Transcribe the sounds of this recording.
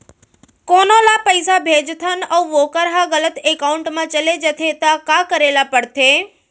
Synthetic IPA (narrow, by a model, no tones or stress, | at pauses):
koːnolapəɪsabʱeːd͡ʒt̪ʰənəuʋoːkəɾɦaɣələt̪ekaʊɳʈmãt͡ʃəled͡ʒət̪ʰet̪akakəɾeːlapəɽt̪ʰe